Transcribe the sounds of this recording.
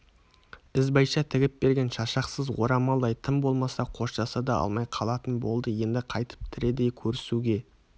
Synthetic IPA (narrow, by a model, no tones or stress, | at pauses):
ɪzbɑjʃɑt̪ʰɪɡʲɪp̚be̞ɾɡʲe̞nʃɑʃɑqsəzwo̞̰ɾɑmɑlˠd̪ɑjt̪ʰəmbo̞lˠmɑsɑqʰo̞ʃʒɑsɑd̪ɑɑ̰lˠmɑjqʰɑlˠɑt̪ənbo̞lˠd̪əje̞nd̪ɪqʰɑjt̪ə̥p̚t̪ʰɪɾe̞d̪e̞kʲʰɵɾɪsuɡʲe̞